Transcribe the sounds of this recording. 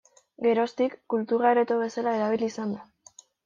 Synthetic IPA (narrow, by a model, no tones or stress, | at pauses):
ɡe̞ɾo̞st̪ikːult̪uraɾet̪oβe̞salae̞ɾaβ̞ilisand̪a